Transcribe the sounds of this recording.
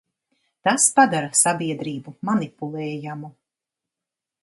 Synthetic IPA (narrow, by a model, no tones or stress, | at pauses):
t̪aspad̪aɾasabiɛd̪ɾiːbumanipulˠɛːjamu